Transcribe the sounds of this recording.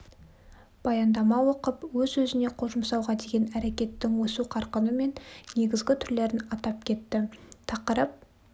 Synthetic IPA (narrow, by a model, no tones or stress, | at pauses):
b̥ɑjɑnd̪ɑmɑwo̞qəpwɵzɵzɪne̞qʰo̞ʃəmsɑwʁɑd̪e̞ɡʲe̞næɾe̞kʲe̞t̪ːɪŋwosuqʰɑɾqənəme̞nːe̞ɡʲɪzɡʲɪt̪ʰʏɾle̞ɾɪnɑt̪ɑp̚kʲʰe̞t̪ːɪt̪ʰɑqəɾəp̚